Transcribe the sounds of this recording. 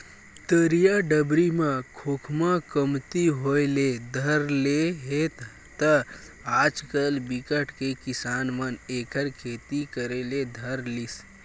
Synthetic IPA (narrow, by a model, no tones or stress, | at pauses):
t̪əɾijaɖəbɾimakʰokʰmakəmt̪iɦojled̪ʱəɾleɦet̪ | t̪ə | ad͡ʒkəlbikəʈkekisanmənekəɾkʰet̪ikəɾeled̪ʱəɾlis